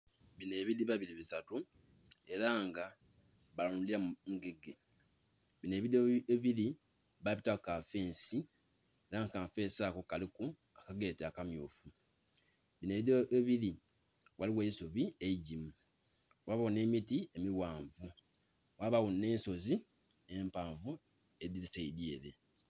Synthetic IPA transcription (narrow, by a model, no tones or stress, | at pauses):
βine̞ːβiɾiβaβiɾiβisatu | e̞ɾaŋɡa | βalanuliɾamuɡe̞ɡe | βine̞ːβiɾiβili | βaβitakafeːnsi | eɾaŋkaːfeːsakokaliku | akaɡeteakamjoːfu | βine̞ːβioiβili | waliweisoβieiɟimu | waβawune̞ːmitiemiwaːɱvu | waβawune̞ːnso̞zi | eːmpaːɱvu | ediliseidjeːɾe̞